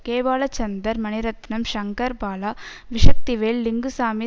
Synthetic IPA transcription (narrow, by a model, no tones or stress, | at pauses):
keːbaːlɐt͡ʃɐnd̪ɐɾmɐniɾɐt̪nɐmʃɐŋkɐɾbaːla | ʋɪʂɐk̚t̪iʋeːlːiŋɡusaːmi